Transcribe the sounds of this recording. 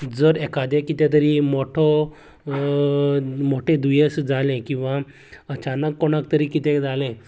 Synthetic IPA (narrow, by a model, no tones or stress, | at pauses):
d͡zəɾɛkad̪ẽkit̪ɛ̃t̪̬əɾiːmoʈʰɔ | moʈʰẽd̪ujesd͡zalẽkĩw̃ʋa | ət͡ɕanəkːoɽakt̪əɾiːkit̪ɛ̃d͡zalẽ